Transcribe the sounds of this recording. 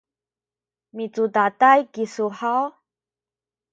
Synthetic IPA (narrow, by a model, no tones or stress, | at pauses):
mit͡sut̪at̪ajkisuhaw